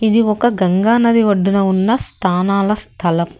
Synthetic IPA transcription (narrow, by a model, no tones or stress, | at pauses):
id̪iɔkɐɡɐŋɡaːnɐd̪iʋɐɖːunɐunːɐst̪ʰaːnaːlɐst̪ʰɐlɐm